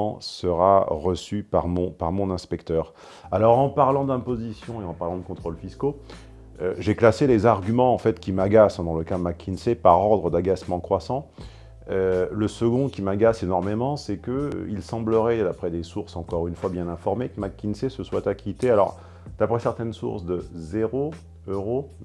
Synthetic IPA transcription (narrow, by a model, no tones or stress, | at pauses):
səʁaʁəsypaʁmɔ̃paʁmɔ̃nɛ̃spɛkt̪œːʁ | alɔʁɑ̃paʁlɑ̃d̪ɛ̃pozisjɔ̃eɑ̃paʁlɑ̃d̪əkɔ̃t̪χolfisko | øʒeklaselezaʁɡʲymɑ̃ːfɛt̪kʲimaɡasd̪ɑ̃ləkamakʲʰːinsepaʁɔʁd̪ʁəd̪aɡasmɑ̃kχwasɑ̃ | øləsəɡɔ̃kʲimaɡasenɔʁmemɑ̃sɛkə̰ilsɑ̃bləʁɛd̪apχɛd̪esuʁsɑ̃kɔʁynfwabjɛ̃nɛ̃fɔʁmekəmakʲːinsesəswat̪akʲʰit̪ealɔ̰ʁ | d̪̥apχɛsɛʁt̪ɛnsṵʁsd̪əzeʁo | øʁo